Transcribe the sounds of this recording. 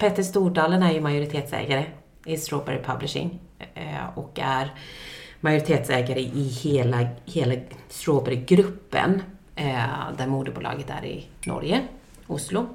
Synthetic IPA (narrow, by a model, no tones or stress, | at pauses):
pʰeːt̪əʂt̪uːɖɑːlənæɾjɵmajʊɾɪt̪ʰeːt̪sɛ̰ːɡaɾə | ɪst̪ɾoːbɛ̰ɾɪpʰa̰blɪʂɪ̰ŋ | ɔkæɾ | majʊɾɪt̪ʰeːt̪sɛːɡaɾəʔɪheːlaheːlast̪ɾoːbæɾɪɡɾɵpːə̰n | d̪æɾmuːd̪əbṵːlɑ̰ːɡət̪æ̰ɾɪ̰nɔ̰ɾjə | ʊslʊ